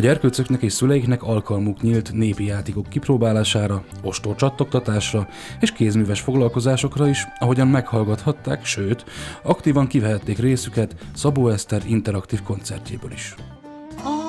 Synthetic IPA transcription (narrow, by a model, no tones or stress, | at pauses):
ɒɟɛrkøːt̪søknɛkeːʃsylɛjiknɛkɒlkʰɒlmukɲiːlt̪neːpijaːt̪iːko̞kːiproːbaːlaːʃaːɾɒ | o̞ʃt̪ort͡ʃɒt̪lok̚t̪ɒt̪aːʃrɒ | eːʃkeːzmyːvɛʃfo̞ɡlɒlko̞zaːʃo̞krɒiʃɒɦo̞ɟɒmmɛkhɒlɡɒt̪hɒt̪ːaːkʃøːt̪ɒkt̪iːvɒŋkivɛɦɛt̪ːeːkreːsykɛt̪sɒboːɛst̪ɛɾint̪ɛɾɒkt̪iːfko̞nt̪sɛrcḛːbø̰ːliʃ